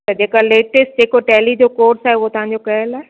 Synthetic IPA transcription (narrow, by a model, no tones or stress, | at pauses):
t̪ɐd͡ʑeːkaleːʈɪsʈ̚d͡ʑeːkoʈɛːlid͡ʑoːkoːɾsaːɦeuot̪ɐʋ̤ãɲ̆d͡ʑokɐɦəlaːe